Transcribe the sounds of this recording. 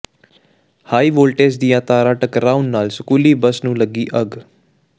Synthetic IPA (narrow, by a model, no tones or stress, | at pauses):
haːiːʋoːlʈeːs̬d̪ɪjãːt̪aːɾaːʈəkɾaːunnaːlsəkuːliːbəsnũːləɡiːʔəɡ